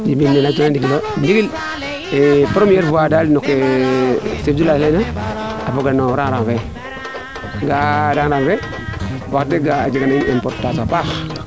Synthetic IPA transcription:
d͡ʒimimenatunandiɡilondiɡil | epɾomijeɾvuadalnoke | sefd͡ʒulaenaapoɡanoɾaŋɾaŋfe | ɡadaŋɾaŋfe | waktːeɡaad͡ʒiɡanaiempoɾtːatoapak

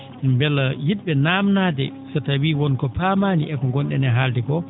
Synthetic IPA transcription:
mbɛlːajidɓɛnaːmnaːdɛsatawiːwɔnkɔpamaːnḭɛkɔŋɡɔnɗɛ̰nɛɦaldɛɡɔ

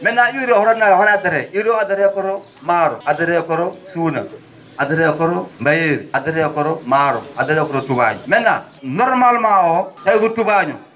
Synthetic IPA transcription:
mɛnaiɾohɔɾanahɔɾadɪɾɛiɾoadɪɾɛkɔɾo | maɾoadɪɾɛkɔɾosuna̰ | adɪɾɛakɔɾombajeɾadɪɾɛakɔɾomaɾo̰adɪɾɛkɔɾotuba̰ɲṵmɛna | nɔɾmalmaɔtaikutubaɲṵ

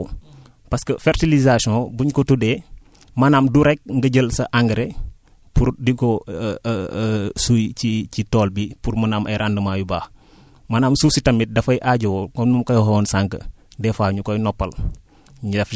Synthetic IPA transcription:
pɐskəfɛrtilizasɔ̃buɲkɔtudɛː | manaːmduɾɛk̚ŋɡəɟəlsɐʔaŋɡəɾe | puɾdikɔ | sujcicitɔːlbipuɾmɐnaːmʔɐ̰jɾʔandəmajubaːh | manaːmsusitɐmit̚dɐfɐjʔaɟowɔkɔnːumkɐjɔɦɔwɔnsaŋkə̰dɛfaːɲukɔjnɔpːɐl | ɲɐf

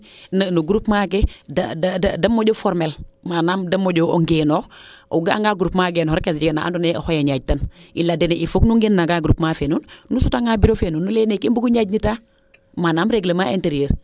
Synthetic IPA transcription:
nənuɡuɾupmak̬eddɐmoɟofɔɾmelmanaːmdɐmoɟooŋɡeːnoːo̰ɡaa̰ŋɡaːɡuɾupmaːɡeːnohoɾkesd͡ʒiɡenaʔa̰ndunehojaɲaːɟ̚tanʔilːadɛneʔifoknuŋɡenːaɡaɡuɾupmafenunnusutaŋaːbiɾofenuːnːulenekimbuɡuɲaɟnita | manaːmɾeɡlemaenteɾijeɾ

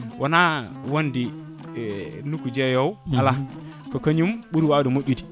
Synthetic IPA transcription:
wʔɔnawondi | nukːud͡ʒɛjɔwala | kɔkaɲumɓuɾwadumoɗːiti̥

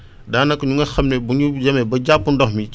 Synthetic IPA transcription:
daːnɐkːɐɲuŋɡɐxɐmnɛbuɲud͡ʒɐmɛbɐɟapːundɔhmi

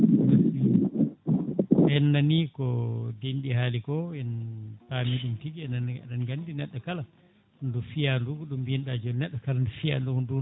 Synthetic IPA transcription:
naɗi | ʔɛnːanikɔdenɗiɦaːlikɔɛnpamiɗumtiɡiɛnananɡandinɛɗːɔkala | ndufijandukɔɗumbinɗad͡ʒɔnɛɗːɔkalandufia̰ndukndu

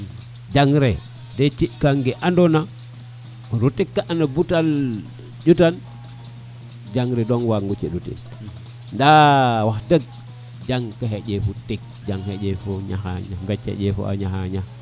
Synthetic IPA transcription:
d͡ʒaŋɾe | det͡ʃikaŋɡeʔandona | ɾutikːaʔanabutal | d͡ʒutan | d͡ʒaŋɾedonwaŋɡut͡ʃiɗutḭn | ndawahdəɡ̚ | d͡ʒaŋkaɦed͡ʒefutik̚d͡ʒaŋhed͡ʒefoɲa̰xa̰ɲambet͡ʃhḛd͡ʒefo̰a̰ɲahaɲa

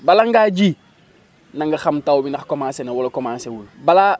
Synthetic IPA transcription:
balaŋɡaɟi | naŋɡɐxamtawbinɐxkomasenewolokomaːsewulbala

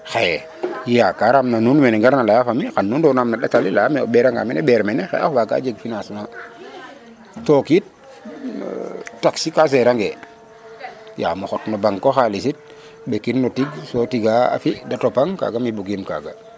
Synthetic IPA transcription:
xajɛ | jakaɾamnanunmɛnɛŋɡaɾnalajafamixanːundɔnamnaɗatalilamɛo̰bɛɾaŋɡa̰mɛnɛbɛɾmɛnɛxa̰ja̰hwaka̰ːd͡ʒeɡfinasuna | tokit̚ | tːaksikas̬ɛɾaŋɡɛ | ja̰mɔxɔtnobaŋkoxalisit̚ | bekinnotiɡsotiɡaa̰fidatopaŋka̰ːɡamibuɡimka̰ɡa

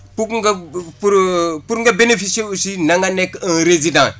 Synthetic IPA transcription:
pukŋɡapuɾpuɾŋɡabenefiseusinaŋɡanekə̃nɾezidã

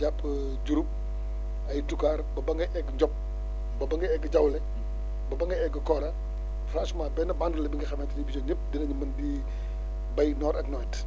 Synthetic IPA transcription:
d͡ʒapːə | d͡ʒuɾup̚ | ɐjtukaːrbɐbɐŋɡɐʔɛɡɲɟɔp̚ | bɐbɐŋɡɐɛɡd͡ʒɐwlɛ | bɐbɐŋɡɐɛɡəkɔɾɐ | fɾasmabɛnɐbaŋɡəlɐbiŋɡɐxɐmɛntinibit͡ʃɔɲəp̚dinɐɲimɐndi | bɐjnɔːɾɐknɔt

